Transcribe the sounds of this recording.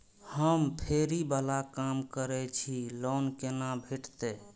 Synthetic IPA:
həmpʰeɾibəlakamkəɾɛt͡ʃʰilonkenabʱiʈt̪e

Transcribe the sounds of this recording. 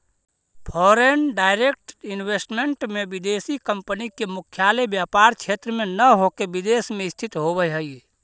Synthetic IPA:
pʰɔːɾenɖaːɪɾek̚ʈinwesʈmeɳʈmebid̪eːsikəmpənikemʊkʰjalebjapaːɾt͡ʃʰet̪ɾəmenəɦokebid̪esmẽɪst̪ʰit̪ɦobəjɦəi

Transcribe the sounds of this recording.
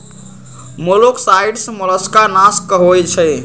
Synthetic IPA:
moloksaiɖsə̃mələskaɾnaskəɦojt͡ʃʰəj

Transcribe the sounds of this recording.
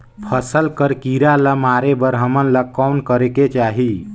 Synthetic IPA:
pʰəsəlkəɾkiɾaləmaːɾebəɾɦəmənləkɔnkəɾeket͡ʃaːɦi

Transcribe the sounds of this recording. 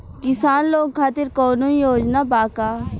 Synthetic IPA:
kɪsaːnloːɡ̚kʰaːt̪ɪɾkoːnõijoːd͡ʒnabaːkaː

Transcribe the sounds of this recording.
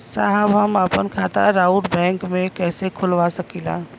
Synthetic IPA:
saɦəbɦəməpənkʰat̪a̰ɾauʈbɛ̃ŋkmekɛːsekʰulʋasəkila̰

